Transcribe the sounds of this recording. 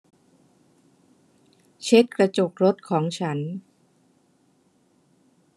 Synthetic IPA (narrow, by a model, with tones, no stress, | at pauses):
t͡ɕʰe˦˥t̪̚kɾa˧t͡ɕo˨˩k̚ɾo˦˥t̪̚kʰɔː˩˦ŋt͡ɕʰa˦˥n